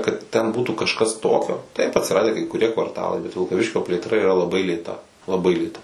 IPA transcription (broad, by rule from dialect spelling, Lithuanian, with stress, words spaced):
kɐt tʲɛn buːtuː kɐʃˈkɐs ˈtoːkʲoː tɐɪp ɐtʲsʲɪˈrɑːdʲæː kɐɪ kʊˈrʲiɛ kʋɐrˈtɑːlˠɐɪ bʲɛt ʋʲɪlˠkɐˈʋʲɪʃʲkʲoː pʲlʲeːtˈrɐ iːrɐ lˠɐˈbɐɪ lʲeːˈtɐ lˠɐˈbɐɪ lʲeːˈtɐ